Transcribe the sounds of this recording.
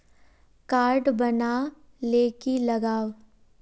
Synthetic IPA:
kaːɾɖbɐna | leːkilɐɡaːʋ

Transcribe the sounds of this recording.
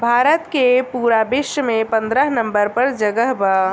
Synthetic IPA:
bʱaːɾət̪kepuɾabɪʃmẽpə̃nd̪ɾəɦnə̃mbəɾpəɾd͡ʒəɡəɦbə

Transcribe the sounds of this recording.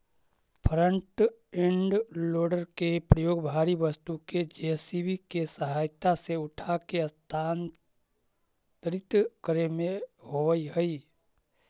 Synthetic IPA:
pʰɾə̃ɳʈ | ẽɳɖloːɖəɾkepɾəjoːɡbʱaːɾiʋəst̪uked͡ʒesibikesəɦaːjt̪aseʊʈʰakeəst̪ʰaːn | t̪ɾɪt̪kəɾemẽɦoʋəiɦəi

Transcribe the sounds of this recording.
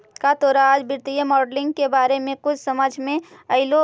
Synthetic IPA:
kat̪oɾaːd͡ʒbɪɾt̪ijəmɔːɖlɪ̃ŋɡkebaːɾemẽkʊt͡ʃʰsəməd͡ʒʱmẽəɪlo

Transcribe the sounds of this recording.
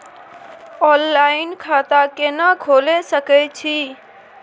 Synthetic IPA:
ɔllainkʰat̪akenəɡʱolesəkɛt͡ʃʰi

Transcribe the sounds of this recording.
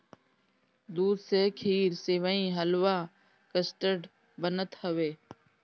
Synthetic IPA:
d̪uːd̪seːkʰiːɾseːʋəːĩːɦəlʋaː | kəsʈəɖ | bənət̪həʋeː

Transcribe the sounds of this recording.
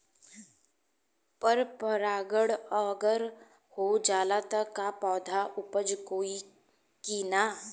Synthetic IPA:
pəɾpəɾaːɡəɽɔɡəɾ | hod͡ʒaːlat̪əkːapɔːd̪ʱaʔʊpəd͡ʒkoːi | kiːnaː

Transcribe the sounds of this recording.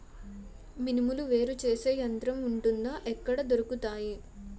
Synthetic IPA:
minimuluʋe̞ːɾut͡ʃe̞ːse̞ːjɐnt̪ɾɐmuɳʈund̪aːʔɛkːɐɽɐd̪oɾukut̪aːji

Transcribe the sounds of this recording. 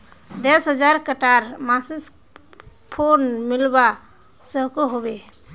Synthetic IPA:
d̪esɦəd͡ʒaɾkəʈaɾmasis | pʰonmilba | səɦkoɦobe

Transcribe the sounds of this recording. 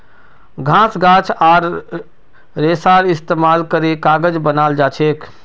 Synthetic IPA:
ɡʱãsɡãːt͡ʃʰaːɾ | esaɾɪst̪emaːlkəɾekaɡəd͡ʒbənaːld͡ʒaːt͡ʃʰeːk

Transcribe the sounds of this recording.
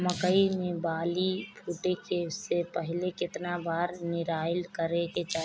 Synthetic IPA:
məkəimẽbaːlipʰuːʈekesepəɦlekɪt̪nabaːɾnɪɾaːɪlkəɾeket͡ʃaː

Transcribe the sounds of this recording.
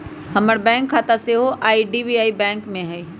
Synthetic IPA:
hɐməɽbɛ̃ːŋkʰːaːt̪aseɦoʔaːiɖiːbiaːibɛ̃ːŋkmẽɦɛi

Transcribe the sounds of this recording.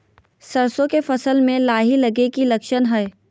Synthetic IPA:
sɐɾsõkefɐsəlmẽlaːɦilɐɡekilɐkʃənɦɛː

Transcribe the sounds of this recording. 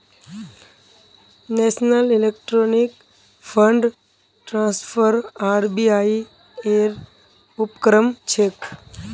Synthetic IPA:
nesnəlilekʈɾonik | fʰəɳɖ | ʈɾãspʰəɾaɾbiai | eɾ | upkɾəmt͡ʃʰek

